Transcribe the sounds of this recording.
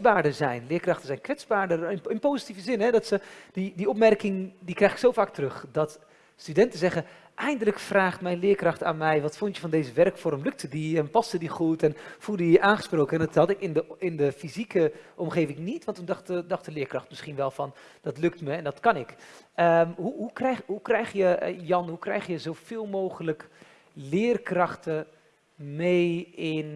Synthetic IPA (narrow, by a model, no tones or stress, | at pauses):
baːɹdəzɛjnlɪːɹkrɑxtəzɛjnkʋɛt͡sbaːɹdərɪɪnpoːzitivəzɪnɦɛdɔtsədidiɔp̚mɛrkɪŋdikrɛjxɪ̥ksowfaːk̚trɵxdɑt | stydɛntəzɛɣə | ʔɛjndələkfraːχtmɛjnlɪːɹkrɑχta̰ːnmɛjʋɑtfʊntjəfɑndeːzəʋɛrkfɔɾəmlɵk̚tədiɛnpɑstədiχutɛnfulˠdədiaːnχəsproːkəɛndɑthɑtɪkɪndəɪndəfizikʰəʔɔmχeːvɪŋnitʋɑntːundɑxtədɑxtəlɪəɹkrɑxtmɪsχinʋɛlˠfɔn | dɔtlʏk̚tməɛndɔtkɑnɪkʔəɦuɦukɛɦukrɛjxjəjɑnɦukrɛ̰jxjəzowfɪːlˠmoːɣələk | lɪːrkrɑxtə | mejɪn